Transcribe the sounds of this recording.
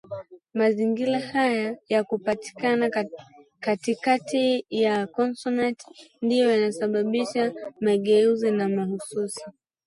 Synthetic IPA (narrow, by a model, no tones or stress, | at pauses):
maziŋɡiɾahajajakupati̥kanakatikatijakɔnsɔnati̥ndijɔjanasaɓaɓiʃamaɠɛuzinamahususi